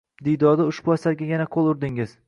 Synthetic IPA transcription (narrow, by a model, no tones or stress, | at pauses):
d̪ijd̪ɒd̪aʊʃbʊasaɾɡʲajanaqʰolˠʊɾd̪ɪŋɪz̥